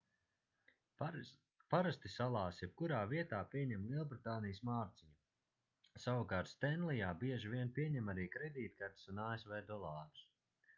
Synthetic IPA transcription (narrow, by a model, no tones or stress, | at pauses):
paɾast̪isalˠaːsjɛp̚kuɾaːviɛt̪aːpiɛɲɛmlʲˠiɛlˠbɾit̪aːnijsmaːɾt̪siɲu | sawukaːɾt̪st̪ɛnlijaːbiɛʒiviɛnpiɛɲɛmaɾiːkɾɛd̪iːt̪̚kaɾt̪i̥sunaːesvɛːd̪ɔlˠɑːɾu̥s